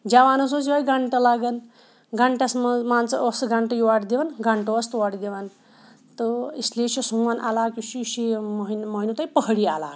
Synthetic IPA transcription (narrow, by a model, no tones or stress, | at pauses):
d͡ʑaʋanəs̬osiʋajɡaɳʈəlaɡən | ɡaɳʈjasməd͡zmant͡səʔəsɡaɳʈəjiʋaʈd̪eʋanɡaɳʈəəst̪ʋaʈd̪eʋan | t̪əisleɕisuʋanʔa̰lakiɕiɕiməɦinməɦinut̪ajpəɦɽiala̰